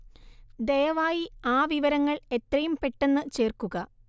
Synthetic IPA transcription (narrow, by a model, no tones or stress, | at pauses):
d̪ejɐʋaːjiaːʋiʋɐɾɐŋːɐɭe̞t̪rɐjumpe̞ʈːe̞nːɨt͡ɕe̞ːrkuɣɐ